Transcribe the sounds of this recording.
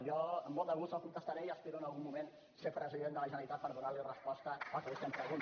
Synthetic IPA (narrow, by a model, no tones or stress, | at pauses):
ʒɔəmːolˠt̪əɣust̪əlˠkunt̪əst̪aɾɛiəspeɾuənəlˠɣumːumen | sepɾəziðend̪ələʒənəɾit̪at̪̚pəɾðunalirəspɔst̪əakəusɛmpɾəɣun